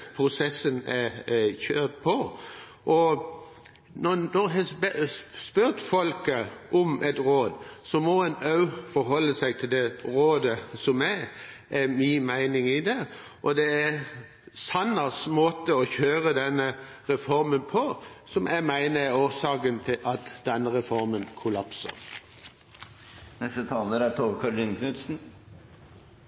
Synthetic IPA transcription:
pʰɾʊsɛsənæçøːt̪pʰɔ | ʔɔ | nɔnɔɾɦɛ | spøɾt̪fɔlkəʔɔmʔɛt̪ɾoːd̪sɔmɔɛnɑʉfɔɾɦɔlːəsæɪt̪ʰɪld̪ɛɾoːd̪əsɔmæʔæmiːmæɪnɪŋɪd̪ɛ | ʔɔd̪ɛæ | sɑnːəsmoːt̪əɔçøːɾəd̪ɛnːəɾɛfɔɾmənpʰɔsɔmæɪmæɪnəɛoːsɑːkənt̪ʰɪlʔɑt̪d̪̥ɛnːəɾɛfɔɾmənkʰʊlɑpsə̰ɾ | nɛst̪ət̪ʰɑːləɾæɾt̪ʰoːʋkʰɑɾɖɪnkʰnʉt̪sn̩

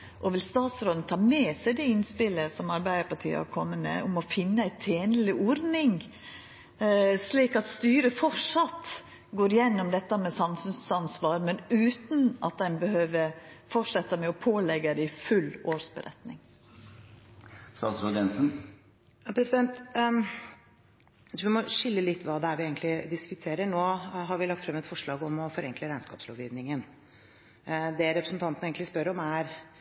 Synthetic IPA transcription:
ʔɔʋɪlst̪ɑːt̪sɾoːd̪n̩t̪ʰɑːmeːsæɪd̪ɛɪnspɪləsɔmɑɾbæɪd̪əpɑʈʰḭːə̰hɑ̰ɾkʰɔmːəmɛ̰ʊmɔfɪnːəæɪt̪ʰeːnəlɪʔɔɾnɪŋ | sliːkɑt̪st̪yːɾəfɔʂɑt̪ | ɡoːɾjɛnːɔmd̪ɛt̪ːəmɛsɑmfʉnsɑnsʋɑːɾmɛnʉːt̪n̩ʔɑ̰t̪̚d̪ɛnbəhøːʋəɾfɔʂɛt̪ːəmɛɔpʰoːlɛɡəd̪ɪɪfʉlːoːʂbə̰ɾʔɛ̰t̪nɪ̰ŋ | sɑsɾod̪jɛnsn | jɑpʰɾɛsɪd̪ɛnt̪ | ʋɪmɔʂɪlːəlɪt̪ːʋɑːd̪ɛæɾʋɪeːɡənt̪lɪd̪ɪskʉt̪ʰeːɾəɳoːɦɑɾʋɪlɑk̚t̪fɾɛmːɛt̪fɔʂɭɑːɡɔmɔfɔɾɛŋkləɾæɪnskɑ̰ːpslo̰ːʋjiːʋnɪŋən | d̪ɛɾɛpɾəsnt̪ʰɑnt̪neːɡənɪspœɾɔmæɾ

